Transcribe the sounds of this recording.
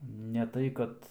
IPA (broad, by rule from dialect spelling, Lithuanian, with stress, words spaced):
nʲɛ ˈtɐɪ kɐt